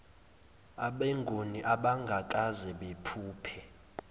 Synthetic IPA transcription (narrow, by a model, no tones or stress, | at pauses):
aɓɛŋɡʱoniʔaɓaŋɡʱakʼazɛɓepʰuːpʰɛ